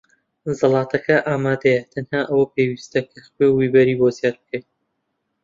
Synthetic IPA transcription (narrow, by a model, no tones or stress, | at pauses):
zɨlˠɑːt̪ʰɐkʰɐʔaːmaːd̪ɐjɐt̪ʰɐnhaːʔɐwɐpewiːst̪ɐkʰɐxwewwiːbɐɾiːbozjaːɾbɨ̥kʰɐj